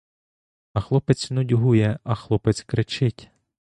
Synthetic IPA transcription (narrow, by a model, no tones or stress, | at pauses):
ɐxlˠɔpɪt͡sʲnʊdʲɦujɛɐxlˠɔpɪt͡sʲkɾɪt͡ʃɪtʲ